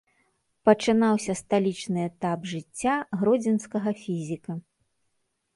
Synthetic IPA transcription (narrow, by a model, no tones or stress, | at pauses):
pɐt͡ʂɨnawsʲɐst̪alʲit͡ʂnɨɛt̪apʐɨt͡sʲːaɣɾɔd͡zʲɛnskɐɣɐfʲizʲikɐ